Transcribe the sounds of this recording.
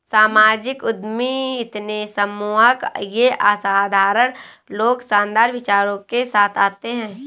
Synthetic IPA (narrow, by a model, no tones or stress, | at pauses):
saːmaːd͡ʒɪkʊd̪miɪt̪nesɐmuakjeʔaːsaːd̪ʱaːɾən | loːɡsãːnd̪aːɾʋɪt͡ʃaːɾõkesaːt̪ʰaːt̪eɦɛ̃ː